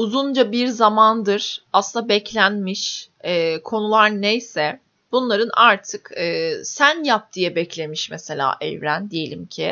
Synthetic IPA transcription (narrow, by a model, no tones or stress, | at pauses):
uzund͡ʒabiɾzamand̪ɯɾ̥aslɯnabɛclʲænmiʃɛːkʰo̞nulˠaɾnejsɛ | b̥unlˠaɾɯna̰ɾt̪ʰɯkɯːsænjap̚d̪̥ijɛbɛclʲe̞miʃmɛse̞lʲa̰ːʔɛ̰vɾænd̪ije̞lʲimcʰɪ̰